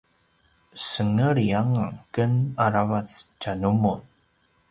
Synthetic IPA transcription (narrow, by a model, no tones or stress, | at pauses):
səŋəɾiaŋakənaɾavat͡st͡ʃanumun